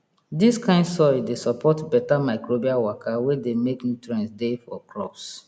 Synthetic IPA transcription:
diskãɪ̃ndsɔɾdesɔpʰɔtbɛtamaɪkɹobiawakʰawedemeknutɹɛ̃nsdefɔklɔbs

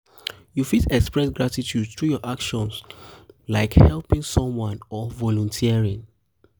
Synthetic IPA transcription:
jufitɛkspɹɛsɡɹatitʰudt̪ɹujɔʔakʃɔ̃nslaɪkhɛlpĩŋsɔ̃mwãnɔvɔlɔ̃ntʰiɹĩŋ

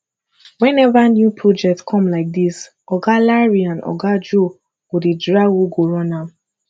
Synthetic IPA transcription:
wɛ̃nɛvanjupʰɹɔd͡ʒɛk̚tkʰɔ̃mlaɪk̚dis | ɔɡalaɹiãnɔ̰ɡad͡ʒo | wudedɹawuɡoɹɔ̃na

